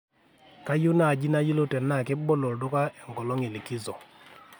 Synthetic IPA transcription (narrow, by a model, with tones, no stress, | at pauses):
ka˦jʊ˦na˦˨d͡ʒi˦na˦ji˦lo˦tɛ˨nːa˦˨kɪ˦bɔ˦lɔ˨dʊ˦ka˦ɛ˨ŋɡɔ˨lɔ˦ŋe˨li˨ki˦zɔ˨